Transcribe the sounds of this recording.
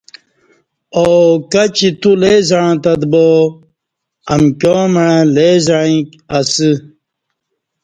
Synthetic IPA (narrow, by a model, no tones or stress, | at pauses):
okɐt͡ɕit̪uleːzaɻãt̪ɐd̪bo | ɐmkoːmaɻãleːzaɻĩk | ɐsɨ